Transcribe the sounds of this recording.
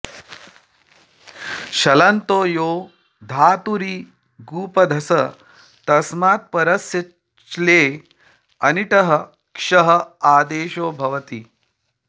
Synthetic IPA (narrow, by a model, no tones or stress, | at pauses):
ɕɐlɐnt̪oːjoː | d̪ʱaːt̪uɾiː | ɡuːpɐd̪ʱɐsɐ | t̪ɐsmaːt̪̚pɐɾɐsjɐ | t͡ʃleː | ɐniʈ̪ɐɦɐ | kʂɐɦɐaːd̪eːʃoːbʱɐʋɐt̪i